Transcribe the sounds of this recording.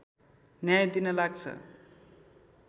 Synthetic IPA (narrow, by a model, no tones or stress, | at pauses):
njajd̪inʌlaɡ̚t͡sʰʌ̰